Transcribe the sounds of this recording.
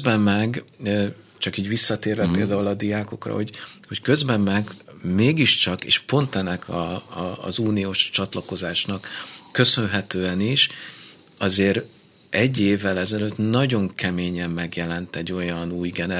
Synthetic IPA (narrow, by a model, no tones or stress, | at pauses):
bɛmːɛɡ | t͡ʃɒkiːɟʋisːɒt̪eːrːɛpeːld̪aːulɒd̪ijaːko̞̰krɒ̰ho̞ɟho̞ckø̞zbɛmːɛɡmeːɡiʃt͡ʃɒkḛːʃpo̞nt̪ɛnːɛkʰɒ̰ː | zuːnioːʃt͡ʃɒt̪lɒko̞zaːʃnɒkːø̞sø̞nɦɛt̪øːɛniʃ | ɒzeːɾ | ɛɟːeːvːɛlɛzɛløːt̪nɒɟo̞ŋkʰɛmeːɲɛmːɛɡjɛlɛnt̪ɛɟːo̞jɒnuːjɡɛnɛ